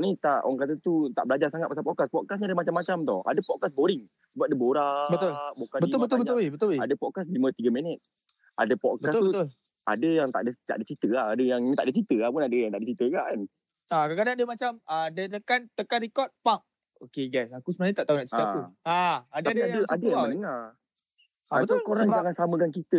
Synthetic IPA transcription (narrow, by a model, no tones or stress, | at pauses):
nit̪aʔo̰aŋkat̪ət̪ut̪a̰ʔbəlad͡ʒarsaŋat̪̚pasapɔʔkaspɔʔ̚kas̬ɲiadəmat͡ʃamːat͡ʃamt̪ɔ̰a̰dəpɔʔ̚kasboɾɪŋ | səbap̚dəboɾabətt̪ʊlbokabətiʊlbət̪ʊbət̪ʊwebət̪ʊeadəpɔʔkas̬limə̃t̪iɡəmenət̪̚ | ʔa̰dəpɔʔbkəast̪ut̪ʊl | a̰dəjaŋt̪a̰ʔdət̪a̰ʔdət͡ʃit̪əahadəjaŋt̪aʔdət͡ʃit̪əapunadəjaŋt̪a̰ʔdət͡ʃit̪əkan | akakadaŋadəmat͡ʃamədət̪əkant̪əkanɾikɔt̪̚pak̚ | okeɡasakusəməanĩt̪aʔt̪aunaʔt͡ʃit̪auaad̪aadəʔadəjamənəŋar | abt̪akoɾaŋd͡ʒaŋansaməkankit̪ə